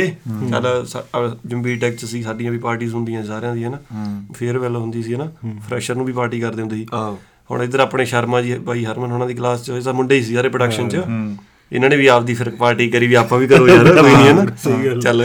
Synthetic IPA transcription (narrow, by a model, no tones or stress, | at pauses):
eːt͡ʃa̰ːlaːsd͡ʒəmbiːʈɛːk̚t͡ʃsiːsaːɖɪ̃ãːʋiːpaːɾʈiːzɦʊnd̪ijãːsaːɾjãːd̪iːɦɛːnaːpʰɪɾʋɛːloːɦʊnd̪iːs̬iːɦɛːnaːpʰɾɛːʃəɾnũːbiːpaːɾʈiːkəɾd̪eːɦʊnd̪iːiː | hʊ̰ɳ̃ɪd̪əɾaːpɽeːʃəɾmãːd͡ʒibaːiːɦəɾmənɦoːñãːd̪iːklaːst͡ʃːed̪aːmʊɳɖeːiːs̬iːsaːɾeːpɾəɖəkʃənt͡ʃə | ɪ̰nãːneːʋiːaːp̚d̪iːpʰɪɾkpaːɾʈiːkəɾiːʋiːaːpãːʋiːkəɾoːloːiːniːɛːnaːt͡ʃəl